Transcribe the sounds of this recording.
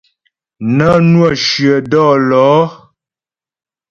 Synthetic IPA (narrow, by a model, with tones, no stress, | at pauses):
nə˦nwə˦˨ʃɥə˨dɔː˦˨lɔː˨˦